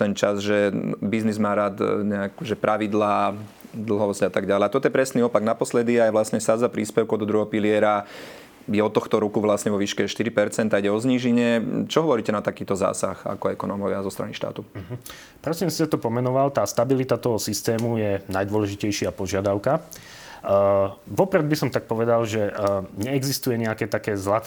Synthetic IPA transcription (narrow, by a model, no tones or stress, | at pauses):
t̪ɛnt͡ʃazʒɛbiznizmaːɾaːd̪ɲɛakuʒɛpɾʔaʋid̪laː | d̪l̩ˠɦɔʋɔzɟat̪aɡɟalɛat̪ɔt̪ɔjɛpɾɛsniɔpaɡnapɔslɛd̪iajʋlasɲɛsad͡zapɾiːspɛʊkɔd̪ɔd̪ɾuɦɔɔpilɪɛɾa | jɛɔt̪ɔxt̪ɔɾukuʋlasɲɛʋɔʋiːʃkɛʃt̪iɾipɛɾt͡sɛnt̪aiɟɛɔzɲiːʒiɲɛt͡ʃɔɦɔʋɔɾiːcɛnat̪akiːt̪ɔza̰ːsa̰xa̰kɔɛkɔnɔːmɔʋɪazɔst̪ɾa̰niʃt̪a̰ːt̪uɦ̩ | pɾɔsiːmsi̥sɛt̪ɔpɔmɛnɔʋalt̪aːst̪abilit̪at̪ɔɦɔsist̪ɛːmujɛnajd̪ʋɔlɛʒicɛjʃɪapɔʒɪad̪aʊka | ʋɔpɾɛd̪̚bisɔmt̪ak̚pɔʋɛd̪alʒɛɲɛɛɡzist̪ujɛɲɛakɛːt̪akɛːzlat̪